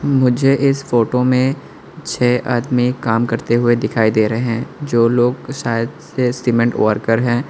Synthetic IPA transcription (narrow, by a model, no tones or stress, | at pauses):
mʊd͡ʒʱeʔɪsfoːʈomẽ | t͡ʃʰɛːʔaːd̪mikaːmkɐɾt̪eɦʊed̪ɪkʰaːid̪eːɾɐɦeɦɛ̃ːd͡ʒoːloːɡʃaːjəd̪sesimɛ̃ɳʈo̰ːəɾkəɾɦɛ̃ː